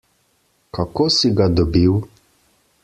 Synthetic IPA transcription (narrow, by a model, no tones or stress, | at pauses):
kakosiɡad̪ɔbiw